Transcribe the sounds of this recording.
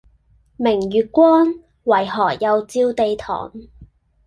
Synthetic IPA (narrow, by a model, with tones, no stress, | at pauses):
mɪ˨˩ŋɥyː˨˧t̚kʷɔː˥n | wɐ˨˩jɦɔː˨˩kjɐ˨wt͡siː˧wt̪e˨˧jt̪ʰɔ̰ː˨˩ŋ